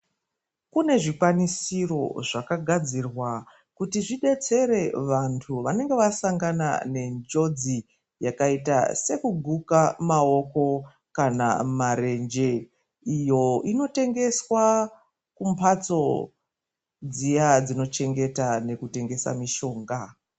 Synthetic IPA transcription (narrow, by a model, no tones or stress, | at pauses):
kune̞ʐikwanisiro̞̰ʐakaɡʱad͡zirwa | kutiʐiɗe̞t͡se̞ɾe̞ʋantʰuʋane̞ŋɡe̞ʋasaŋɡana̰ne̞nd͡ʒo̞d͡zi | jakaita̰se̞kuɡʱukamao̞ko̞ | kana̰maɾe̞nd͡ʒe̞ | ijo̞ino̞te̞ŋɡe̞swa | kumpʰat͡so̞ | d͡zijad͡zino̞t͡ʃe̞ŋɡe̞tane̞kute̞ŋɡe̞sa̰miʃo̞ːŋɡa